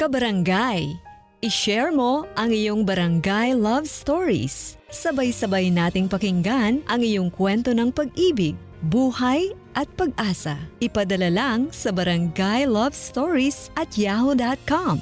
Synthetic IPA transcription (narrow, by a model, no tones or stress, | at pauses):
kɐbɐɾɐŋɡaj | ʔɪʃɛɹmo̞ʔɐŋɪjo̞ŋbɐɾɐŋɡajlɐvst̪oɹḭsː | ɐbajsɐbajnaːt̪ɪŋpɐkɪŋɡanʔɐŋɪjo̞ŋkwɛnt̪o̞nɐŋpɐɡ̚ʔiːbɪɡ̚ | buːhɐj | ʔɐt̪̚pɐɡ̚ʔaːsɐʔɪpɐd̪ɐlalaŋsɐbɐɾɐŋɡajlɐvst̪oɹisʔɐt̪̚jahod̪at̪̚kam